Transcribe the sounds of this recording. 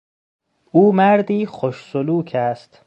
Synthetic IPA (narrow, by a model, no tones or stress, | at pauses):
uːmæɾd̪iːxoʃsoluːcʰæst̪